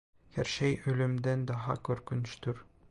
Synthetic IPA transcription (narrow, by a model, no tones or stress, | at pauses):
hæɾʃæjɵ̆lɵ̆md̪ænd̪ɒɦɑ̰kɵ̆ɾkɵ̆n̆ʃt̪ɵɾ